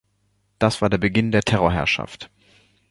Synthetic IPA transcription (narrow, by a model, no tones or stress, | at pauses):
d̥asv̥aːɐdeːɐbəɡɪndeːɐtʰɛʁoɐɦɛ̰ɐʃa̰ft